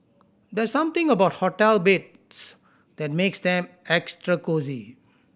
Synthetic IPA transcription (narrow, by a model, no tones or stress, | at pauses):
d̪ɛsãmt̪ɪ̃ŋəbaʊt̚hɔtɛlbet̚ | s | d̪̥ɛt̚meksd̪ɛ̃mɛkstɹəkozi